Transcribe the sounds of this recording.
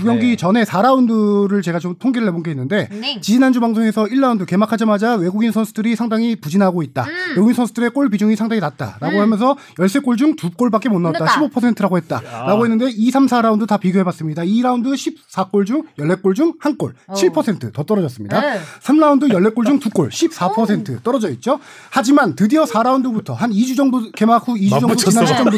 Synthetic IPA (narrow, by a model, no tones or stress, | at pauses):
kuɡjʌŋɡit͡ɕʌne̞sʰaɾaundɯɾɯɭt͡ɕe̞ɡat͡ɕomtʰoŋɡiɾɯɭɦe̞bonɡeinːɯnde̞t͡ɕid͡ʑinand͡ʑubaŋsʰoŋe̞sʰʌiɭːaundɯke̞makʰad͡ʑamad͡ʑawe̞ɡuɡinsʰʌnsʰudɯɾisʰaŋdaŋipud͡ʑinɦaɡoit̚t͈a̰weɡuɡinsʰʌnsʰudɯɾe̞k͈oɭbid͡ʑuŋisʰaŋdaŋinat̚t͈a̰ɾaɡoɦamjʌnsʰʌ | jʌɭs͈e̞k͈oɭd͡ʑuŋtuk͈oɭbak͈emonːatt͈aɕʰibopʰʌs̬ʰe̞ntʰɯɾaɡohe̞t̚t͈a̰ɾaɡoɦe̞nːɯnde̞isʰamsʰaɾaundɯtapiɡjoɦe̞bas͈ɯmɲidaiɾaundɯɕʰip̚s͈ak͈oɭd͡ʑuŋjʌɭːe̞k͈oɭd͡ʑuŋhank͈o̰ɭt͡ɕʰiɭpʰʌsʰe̞ntʰɯtʌt͈ʌɾʌd͡ʑʌs͈ɯmɲidasʰamɾaundɯjʌɭːe̞k͈oɭd͡ʑuŋtuk͈o̰ɭɕʰip̚s͈apʰʌsʰe̞ntʰɯ̰t͈ʌɾʌd͡ʑʌit̚t͡ɕ͈o | had͡ʑimantɯdiʌsʰaɾaundɯbutʰʌɦanid͡ʑud͡ʑʌŋbukemakʰuid͡ʑud͡ʑʌŋbut͡ɕinat͡ɕʌbu